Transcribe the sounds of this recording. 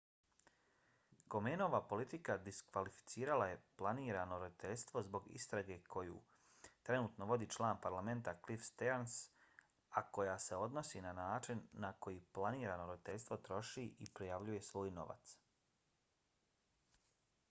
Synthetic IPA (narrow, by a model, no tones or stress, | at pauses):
ko̞meːnoʋapo̞lit̪ikad̪iskʋalifi̥t̪siːɾalaje̞plˠaniːɾanoɾo̞d̪it̪e̞ʎst̪ʋo̞zbo̞ɡḭst̪ɾaɡe̞kʰo̞jṵ | t̪ɾe̞nuːt̪no̞ʋo̞d̪iːt͡ʃlˠaːnpaɾlame̞nt̪aklifst̪eans | ako̞jaseo̞d̪no̞sinanaːt͡ʃinːako̞jiplˠaniːɾanoɾod̪it̪e̞ʎʲst̪ʋo̞t̪ɾo̞ʃiːʔipɾijaʋʎuje̞sʋo̞ːjno̞̰ʋa̰t̪s